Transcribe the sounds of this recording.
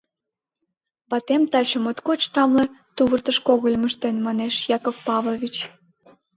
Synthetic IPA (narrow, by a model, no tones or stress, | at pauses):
βɑt̪emt̪ɑt͡ɕəmot̪kot͡ɕt̪ɑmlet̪uβərt̪əʃkoɣəlʲməʃt̪enmɑneʃjɑkofpɑβlˠoβʲit͡ɕ